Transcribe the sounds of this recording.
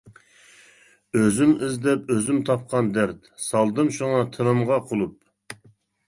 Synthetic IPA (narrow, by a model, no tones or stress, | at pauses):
øzymɪzd̪ɛpøzymt̪ʰɑp̚qʰɑnd̪ɛɾt̪sɑlˠd̪ɨmʃuŋɑt̪ʰɨɾɨmʁɑqʰolˠup̚